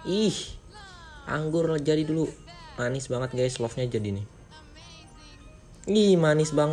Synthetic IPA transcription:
ih | ʔa̰ŋɡʊrlad͡ʒadidulumanɪsbaŋət̪̚ɡajslɔfɲad͡ʒadinɪ | ihmanɪsbaŋ

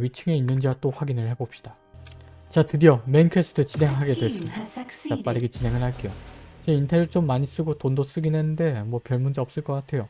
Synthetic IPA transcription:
ɥit͡ɕʰɯŋe̞inːɯnd͡ʑiwat͈oɸwaɡinɯɭhe̞bop̚ɕ͈i̥d̥a | t͡ɕatɯdiʌmenkʰesʰɯ̥tʰɯt͡ɕinɦe̞ŋɦaɡe̞dwe̞s͈ɯmidat͡ɕap͈aɾiɡet͡ɕinɦe̞ŋɯɭɦhaɭk͈ejot͡ɕeintʰeɾɯɭt͡ɕ͈omːaɲis͈ɯɡotondos͈ɯɡinenɯnde̞mwʌpjʌɭmund͡ʑiʌp̚s͈ɯɭk͈ʌk͈atʰe̞jo

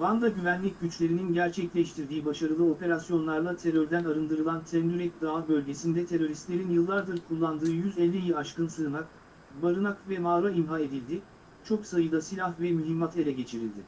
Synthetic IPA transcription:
vand̪aɟyvænlʲic̚ɟyt͡ʃlʲe̞ɾininɟæɾt͡ʃʰɛclʲɛʃt̪ʰiɾd̪iːbaʃaɾɯlˠɯo̞pe̞ɾasjo̞nlˠaɾlˠat̪ʰe̞ɾøɾd̪ænaɾɯnd̪ɯɾɯlˠant̪ʰɛnd̪yɾɛc̚d̪aːbø̞lʲɟe̞sind̪ɛt̪ʰe̞ɾo̞ɾist̪lʲe̞ɾinjɯlˠːaɾd̪ɯɾkʰulˠːand̪ɯːjyzɛlʲːijiaʃkɯnsɯːnak̚ | baɾɯnakvɛmaːɾaimɦae̞d̪ilʲd̪ɪ | t͡ʃʰo̞ksajɯd̪ˠasilʲahvɛmyɦimːat̪ʰe̞lʲɛɟe̞t͡ʃʰiɾḭlʲd̪ɪ

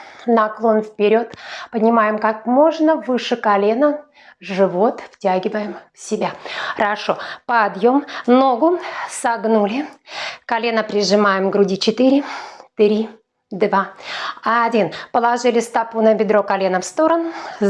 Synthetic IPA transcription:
nɐklˠo̞nfpʲɪɾʲo̞t̪pənʲɪmajɪmkakmo̞ʐnəvɨʂɨkɐlʲe̞nə | ʐɨvo̞t̪ftʲaɡʲɪvəjɪmfsʲɪbʲaxɾɐʂo̞pɐːd̪jo̞mno̞ɡʊsɐɡnulʲɪkɐlʲe̞nəpɾʲɪʐɨmajɪmɡɾʊdʲit͡ɕɪt̪ɨɾʲɪt̪ɾʲi | d̪vaaːdʲinpəlˠɐʐɨlʲɪst̪ɐpunəbʲɪd̪ɾo̞kalʲenəfst̪o̞ɾənʊ

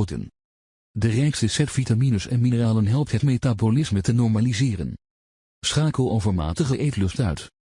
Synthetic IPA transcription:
də̰n | dərɛjkstəsɛtfitaminəsɛ̰nminəraːlənɦɛlˠp̚tɦətmetabolɪsmətənɔɹmalizɪːrə̰n | sχaːkəlˠowvəɹma̰ːtəχəʔejtlɵstœ̰ɥt

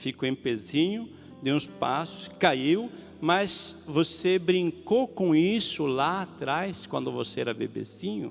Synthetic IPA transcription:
fikoẽpezĩɲʊ | d̪eũspasʊ̥skaiw | masvosebɾĩŋkokõisʊlaat̪ɾajskwɐ̃nd̪ʊvoseɛɾɐbḛbḛzĩɲʊ̰

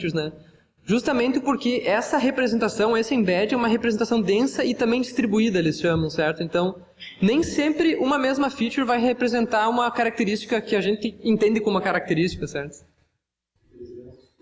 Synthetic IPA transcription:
ɾznɛ | ʒust̪ɐmẽnt̪ɪpoɾkɪʔɛsɐɦepɾezẽnt̪asɐ̃w̃esɪẽbɛd͡ʒɪũmɐɦepɾezẽnt̪asɐ̃w̃d̪ẽsɐɪt̪ɐ̃mbẽj̃d͡ʒist̪ɾibuid̪ɐlisʃɐ̃mɐ̃w̃sɛɾt̪ʊẽnt̪ɐ̃w̃ | nẽj̃sẽmpɾɪʔũmɐmezmɐfit͡ʃɪɾvajhepɾezẽnt̪aɾũmɐkaɾak̚t̪eɾist͡ʃi̥kɐkɪaʒẽnt̪ɪẽnt̪ẽnd̪ɪkõumɐkaɾak̚t̪eɾist͡ʃi̥kɐsɛɾt̪ʊ̥

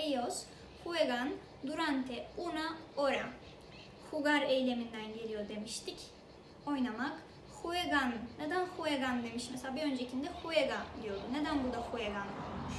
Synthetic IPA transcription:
ejoz | hueɡan | d̪uɾant̪ʰɛunaoɾa | huɡaɾejlʲe̞mind̪ænɟe̞lʲijo̞d̪e̞miʃt̪ʰic | o̞jnamak | hueɡanɯned̪ænxueɡand̪e̞miʃmɛselaːbiø̞nd͡ʒecʰind̪ɛhueɡand̪ijo̞d̪uned̪ænbud̪axueɡanomuʃ

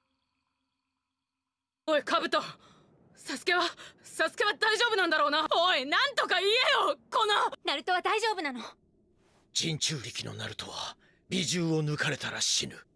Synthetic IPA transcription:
oikʰabɯ̟t̪o | sasɨ̥ke̞βasasɨ̥ke̞βad̪aiʑo̞ːbɯ̟nãnd̪aɾo̞ːnaoinãnt̪o̞kaiejoko̞nonaɾɯ̟t̪o̞βad̪aiʑo̞ːbɯ̟nano̞ | d͡ʑĩɲ̟t͡ɕɨːɾʲikʲino̞̰na̰ɾɯ̟t̪o̞̰βa | bʲiʑɨːo̞nɯ̟kaɾe̞t̪aɾaɕḭnɯ̟

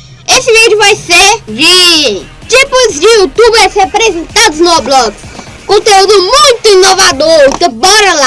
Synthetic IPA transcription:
esɪvid͡ʒʊvajseɾviẽj̃ | t͡ʃipʊzd͡ʒɪut̪ubeɾshepɾezẽnt̪ad̪ʊznoblɔks | kõnt̪eud̪ʊmũj̃t̪ʊĩnovad̪oɾkɪbɔɾɐla

